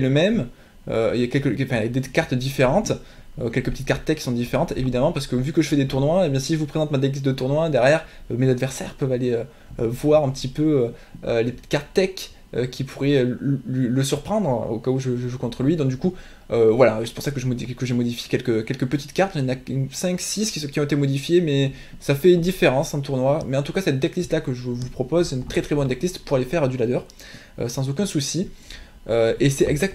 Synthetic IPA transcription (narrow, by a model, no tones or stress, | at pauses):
ɛləmɛm | ø̰iljakʲɛlkə̃fɛ̃jad̪ekaʁt̪d̪ifeʁɑ̃t̪ | økʲɛlkəpət̪it̪kaʁt̪ːɛkʲːsɔ̃d̪ifeʁɑ̃t̪ḛvid̪amɑ̃paʁsə̥kəvykəʒəfɛd̪et̪uʁnwaebjɛ̃siʒəvupχezɑ̃t̪mad̪eɡis̬d̪ət̪uʁnwad̪ɛʁjɛʁmezad̪vɛʁsɛ̰ʁpœvaleø | øvwaʁɛ̃pət̪ipøøːlepət̪i̥t̪kaʁt̪t̪ɛk | økʲʰipʰuʁɛølɥiləsyʁpχɑ̃d̪ʁo̰kauʒəʒəʒukɔ̃t̪χəlɥid̪ɔ̃kd̪yku | øvwalasɛ̥puʁsakəʒəmɔikəʒemɔd̪ifje̥kʲɛlkəkʲɛlkəpət̪i̥t̪kaʁt̪inaynsɛ̃ksiskʲikʲiɔ̃et̪emɔd̪ifjemɛ | safɛynd̪ifeʁɑ̃sɑ̃t̪uʁnwamɛɑ̃t̪ukasɛt̪̚d̪ɛklist̪lakəʒəəvupχɔpɔzsɛt̪ynt̪χɛt̪χɛbɔnd̪ɛklist̪puʁalefɛʁd̪ylad̪œʁ | ø̰sɑ̃zokʲɛ̃susi | øesɛɛɡzak̚t̪